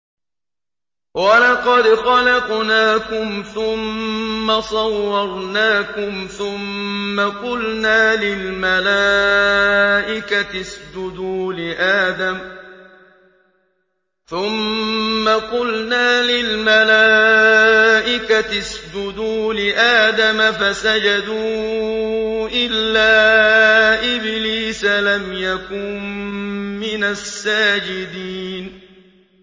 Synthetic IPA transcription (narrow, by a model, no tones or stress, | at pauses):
walɑqɑd̪xɑlɑqnaːkʊmθʊmːasˤɑwːɑɾˤnaːkʊmθʊmːaqʊlnaːlɪlmala | ʔɪkat̪ɪsd͡ʒʊd̪uːlɪʔaːd̪am | θʊmːaqʊlnaːlɪlmalaː | ʔɪkat̪ɪsd͡ʒʊd̪uːlɪʔaːd̪amafasad͡ʒad̪uː | ʔɪlːaː | ʔɪbliːsalamjakʊnː | ɪnasːaːd͡ʒɪd̪iːn